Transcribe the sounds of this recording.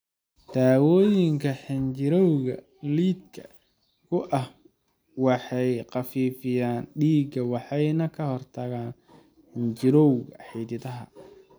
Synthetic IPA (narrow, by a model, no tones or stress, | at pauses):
d̪̥aːwɔːjɪŋkʰɐħɪnt͡ʃɪɾɔwɣɐ̰ | liːd̪kʰɐ | kʰʊʔɐh | wɑħɑjqɑfiːfɪjaːnɖiːɡɐwɑħɑjnɐkʰɐhɔrt̪ʰɐɣaːn | ħɪnt͡ʃɪɾɔwɣɐħiːðɪðɐɦɐ̰